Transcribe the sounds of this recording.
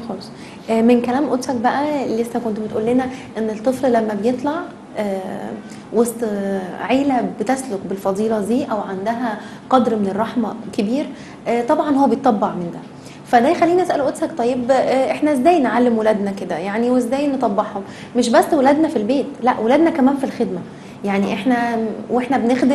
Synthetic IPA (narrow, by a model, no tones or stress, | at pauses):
xolsˤ | ʔmenkælæːmʔot̪sæk̚bæʔælesːækont̪met̪ʔuːlːenæʔenːet̪ˤːefllæmːæbejet̪ˤlɑʕ | ʔæː | wost̪ˤʕeːlæbet̪æslokbelfɑd̪ˤiːlɑd̪iːʔæwʕand̪æɦæ | qɑd̪ɾmenerˤːɑħmækebiːɾ | ʔt̪ˤɑbʕɑnhowːæbejet̪ˤːɑbːɑʕmend̪æ̰ | fæd̪æjexælːiːniʔæsʔæloʔot̪shækt̪ˤɑjːebʔeħnæʔzːæːjnʕalːemwelæːd̪næked̪æjaʕniwezːæːjnet̪ˤɑbːɑħhom | meʃ̬bæsːwelæːd̪næfilbeːt̪læʔwʔelæːd̪nækæmæːnfilxed̪mæ | jaʕniʔeħnæweħnæbnexd̪e